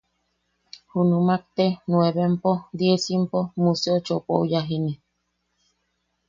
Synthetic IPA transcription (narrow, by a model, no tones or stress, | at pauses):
hunumak̚t̪enweβempod̪jesimpomuseot͡ʃopoujaɦini